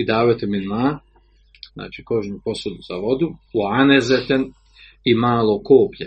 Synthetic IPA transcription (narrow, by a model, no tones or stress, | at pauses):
id̪aːʋat̪eminmaː | zna̰ːt͡ʃiko̞ʒɲupo̞sud̪uzaʋo̞d̪uuanezet̪en | imaːlˠokoːpʎe